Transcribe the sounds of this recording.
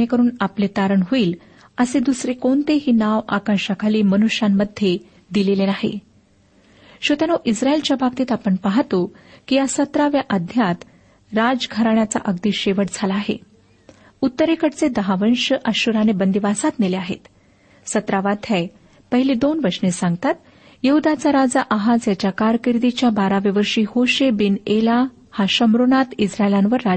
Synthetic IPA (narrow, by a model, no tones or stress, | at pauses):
ekəɾuːnaplet̪aɾəɳɦoiːl | əsed̪usɾekont̪eɦiːnaʋa̰kaɕakʰaliːmənuɕamːəd̪ʱːje | d̪ilelenaɦḛ | ɕot̪anoʔisɾaelt͡ɕjabap̚t̪iːt̪apəɳpaɦat̪okijasət̪ɾaʋjaʔəd̪ʱjat̪ | ɾad͡zɡʱəɾaɳat͡sa̰ʔəɡ̚d̪iːɕeʋəʈd͡zʱalaːɦḛ | ut̪ːəɾekəʈt͡sed̪əɦaʋənɕəʔəɕuɾanebənd̪iʋasat̪nileaɦḛt̪ | sət̪ɾaʋad̪ʰʱaj | pəɦiled̪onʋəɾʂnesãŋɡ̚t̪at̪ | jeɦud̪at͡saɾad͡zaʔaɦad͡zjat͡ɕjakaɾkiɾd̪it͡ɕjabaɾaʋeʋəɾʂiːhoɕebinela | haɕəmɾoɳat̪isɾaelãnʋəɾːa